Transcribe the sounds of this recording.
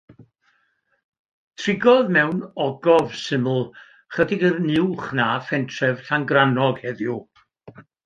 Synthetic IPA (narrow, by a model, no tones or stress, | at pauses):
tʰrɪɡɔðmɛwnɔɡɔvsɪml̩ˠ | χədɪɡəðnɪwχnaːfɛntʰrɛv̥ɬaŋɡranɔɡ̥hɛðju